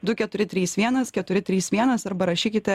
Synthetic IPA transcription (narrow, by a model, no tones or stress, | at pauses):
d̪ʊkʲɛt̪ʊɾʲɪt̪ʲɾʲiːsʋʲiɛnɐskʲɛt̪ʊɾʲɪt̪ʲɾʲiːsʋʲiɛnɐsɐɾbɐɾɐʃʲiːkʲɪt̪ʲɛ